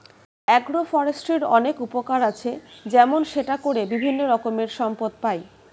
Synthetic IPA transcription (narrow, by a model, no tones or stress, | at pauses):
ɛɡɽofɔɾesʈeɾɔnekupokaɾat͡ɕʰed͡ʑɛmonʃeʈakoɾebibʱinːoɾɔkomeɾʃɔmpod̪̚paj